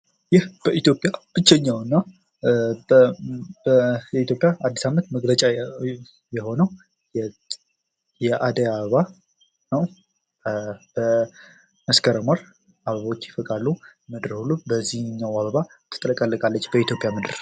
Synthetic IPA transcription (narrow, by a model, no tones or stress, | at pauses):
jɪhb̥əit̪jo̞pʼjab̥ɨt͡ʃːɛɲːawɨnːa | bəjɛit̪ʰjo̞pʼjaad̪ːisamənt̪məɡlət͡ʃʼa | jɛho̞nəw | jɛ | jɛʔad̪əjaβəβa | nəw | b̥ə | məskʰəɾəmal | ʔaβəβo̞t͡ʃːɪfɨkʼalːumɨd̪ɨɾhulubəzːihɲːawaβəβa | t̪ʰɨ̥t̪ʼələkʼəlːəkʼalːət͡ʃːbəit̪ʰjo̞pʼjamɨd̪ɨɾ